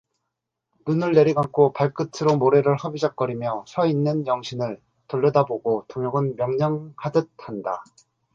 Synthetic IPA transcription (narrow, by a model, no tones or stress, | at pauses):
nunɯɭːe̞ɾiɡakʰopaɭk͈ɯtʰɯɾomoɾe̞ɾɯɭhʌbid͡ʑak͈ʌɾimjʌsʰʌinːɯnjʌŋɕʰinɯɭ | toʎːʌdaboɡotoŋjoɡɯnmjʌŋɲʌŋhadɯt̚handa